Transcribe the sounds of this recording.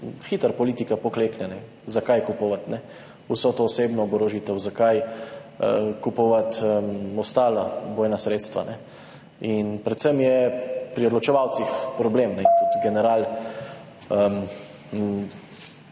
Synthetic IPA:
xit̪əɾpɔliːt̪ikapɔkleːknɛnɛ | zakajkupɔʋat̪nɛ | usɔt̪oːseːbnɔːbɾoʒit̪ɛwzakaj | kupɔʋat̪əɔst̪aːlabɔːjnasɾeːt̪st̪ʋa̰nɛ | inpɾɛt̪səmjɛpɾiɔd̪lɔt͡ʃɛʋawt̪sixpɾɔbleːmnɛt̪ut̪ɡɛnɛɾaːl | əm

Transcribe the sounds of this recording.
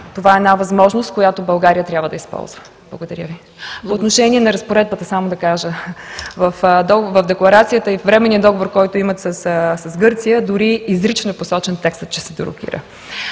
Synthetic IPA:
t̪ovaɛːnavɐzmɔʒnost̪̚koʊjat̪obɐlˠɡaɾijət̪ɾʲabvəd̪ɐispɔ̰lˠzvə | b̥lˠɐɡod̪ɐɾjəvi | poːt̪noʃɛniɛnɐɾɐspoɾɛd̪̚bət̪əsamod̪ɐkaʒəvɐfd̪ɔɡvɐvd̪ɛklˠɐɾat̪sijət̪əifvɾɛmɛniəd̪ɔɡovoɾkɔjt̪oimɐt̪səssɐsɡɤɾt̪sijəd̪ʊɾiːzɾit͡ʃnoɛposɔt͡ʃɛnt̪ɛkst̪ət̪̚t͡ʃɛ̥sɛd̪oɾo̰k̟ḭɾə̰

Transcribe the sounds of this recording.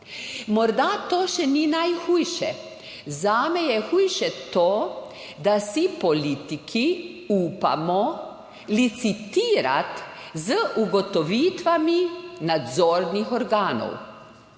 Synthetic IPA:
mɔɾd̪at̪oːʃɛninajxuːjʃɛ̰ | zaːmɛjɛxuːjʃɛt̪oː | d̪asipɔliːt̪ikʰiuːpa̰mɔ | lit̪sit̪iːɾa̰t̪ | zəʔuɡɔt̪ɔʋiːt̪ʋaminad̪zɔːɾnixɔɾɡaːnɔ̰w

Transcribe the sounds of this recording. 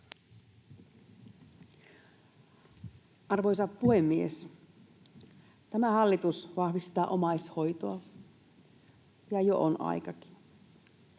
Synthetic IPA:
ʔɑrʋojsɑppuhemːiḛs | t̪æmæhɑlːit̪usʋɑhʋist̪ɑːʔomɑisho̞jt̪oɑ | jɑjoʔonɑ̰jkɑki̥n

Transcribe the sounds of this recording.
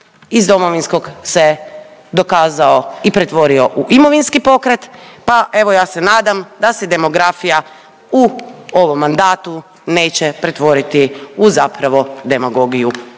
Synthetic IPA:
izd̪o̞mo̞ʋinsko̞ɡse̞d̪o̞kaːzao̞ipɾe̞t̪ʋo̞ɾio̞ʔuʔimo̞ʋinskipo̞kɾet̪paʔe̞ʋo̞jaːse̞naːd̪amd̪ased̪e̞mo̞ɡɾafija | uo̞ʋo̞mːand̪aːt̪u | ne̞ːt͡ɕepɾe̞t̪ʋo̞ɾit̪iuzapɾaʋo̞d̪e̞maɡo̞ɡiju

